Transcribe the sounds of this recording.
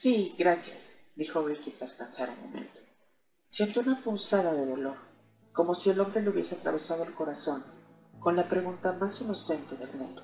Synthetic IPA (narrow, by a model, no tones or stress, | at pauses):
siɡɾasja̰sd̪ixo̞βɾikit̪ɾaspansaɾunmo̞̰mẽ̞̰nt̪o̥ | sje̞nt̪ounapunsaðaðe̞ðo̞lo̞ɾ | ko̞mo̞sie̞lo̞mbɾe̞leuβje̞se̞at̪ɾa̰β̞e̞sað̞oelko̞ɾaso̞n | ko̞nlapɾe̞ɣunt̪amasino̞se̞nt̪e̞ðe̞lmṵ̃nd̪o